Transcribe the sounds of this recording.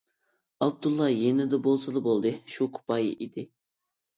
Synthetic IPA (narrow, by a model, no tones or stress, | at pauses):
ɑb̚d̪ulˠːɑjenɪd̪ɛbolˠsɨlˠɨbolˠd̪ɨʃukʰʊ̥pʰɑjḭʔid̪ɪ